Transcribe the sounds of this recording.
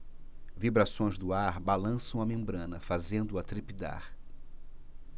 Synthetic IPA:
vibɾasõj̃zd̪ʊaɾbalɐ̃sɐ̃w̃ɐmẽmbɾɐ̃nɐfazẽnd̪ʊɐt̪ɾipid̪a̰ɾ

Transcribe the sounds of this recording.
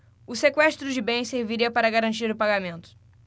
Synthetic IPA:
usekwɛʃt̪ɾud͡ʒɪbẽj̃seɾviɾiɐpɐɾɐɣɐɾɐ̃nt̪iɾupaɣɐmẽnt̪u̥

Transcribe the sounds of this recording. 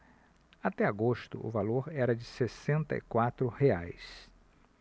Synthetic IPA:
at̪ɛaɡost̪ʊ̰ʊ̰valoɾɛɾɐd͡ʒɪsesẽnt̪ɐ̰ḭkwat̪ɾʊheajs

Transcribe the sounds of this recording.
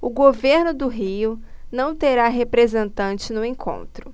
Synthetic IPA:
ʊɡoveɾnʊd̪ʊɦiʊnɐ̃w̃t̪eɾaɦepɾezẽnt̪ɐ̃nt͡ʃɪnʊẽkʰõ̰nt̪ɾʊ

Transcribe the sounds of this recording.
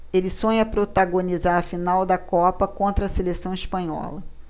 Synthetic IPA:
elɪsõɲɐpɾot̪aɡonizaɾɐfinawd̪ɐkɔpɐkõnt̪ɾɐːselesɐ̃w̃ispɐ̃ɲɔ̰lɐ

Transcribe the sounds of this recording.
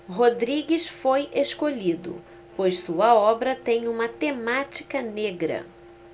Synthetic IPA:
ɦod̪ɾiɡisfojeʃkoʎid̪ʊ̰ | pojssuɐɔbɾɐt̪ẽj̃ũmɐt̪emat͡ʃi̥kɐneɡɾɐ̰

